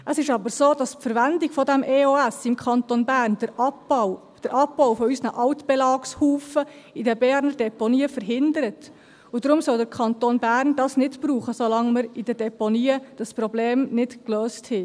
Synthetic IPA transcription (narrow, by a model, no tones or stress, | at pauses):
ʔəsɪʃɑbəɾsoːd̥ɑspfəɾʋændiɡ̥fɔdɛmʔeoæsɪmkʰχɑnt̪onbæːɾnd̥əɑp | d̥əɾʔɑpːɔwfɔysnəʔɑʊt̪b̥ɛlɑːkshuːfə | idɛbɛːɾnəɾdɛponiːəfəɾɦɪnd̪əɾət̪ | ʊdɾʊmsɔld̪əɾkʰɑnt̪onbærndɑsnɪdb̥ɾuːχəsolɑŋməɾid̥ɛdɛponiːəd̥ɑspɾɔbleːmnɪd̥kløːsthɛ